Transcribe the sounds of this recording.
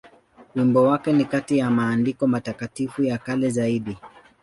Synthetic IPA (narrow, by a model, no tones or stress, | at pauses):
wimbɔwakɛnikatijamaːndikɔmatakatifujakalɛzaiɗi